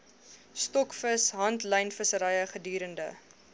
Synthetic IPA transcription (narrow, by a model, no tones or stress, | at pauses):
stɔkfəsɦɐntlɛjnfəsəɾɐjəχədyːɾəndə̰